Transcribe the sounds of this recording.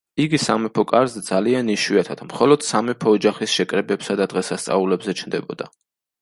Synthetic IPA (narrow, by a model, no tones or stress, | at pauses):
iɡisamɛpʰɔkʼaɾzɛd̪zalianiʃwiat̪ʰat̪ʰmχɔlˠɔd̪̥samɛpʰɔːd͡ʒaχisʃɛkʼɾɛbɛpsad̪ad̪̥ʁɛsast̪sʼa̰ulɛbzɛt͡ʃʰnd̪ɛbɔd̪a